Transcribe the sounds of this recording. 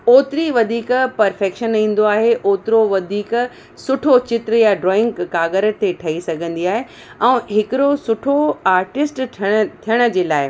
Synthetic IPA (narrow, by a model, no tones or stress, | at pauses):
oːt̪ɪɾiʋɐd̪ʱiːkpɐɾfeːkʃənĩːn̆d̪oaːɦeʔoːt̪ɪɾoʋɐd̪ʱiːk | sʊʈʰot͡ɕɪt̪ɾəjaɖɾɔːɪ̃ŋɡːaːɡəɾət̪eʈʰɐisɐɡʱə̃nd̪iaːɦe | ɛ̃ːɦɪkɪɾosʊʈʰoaːɾʈɪsʈʰəɽ̃t̪ʰijəɽ̃ə̆d͡ʑeːlaːɪ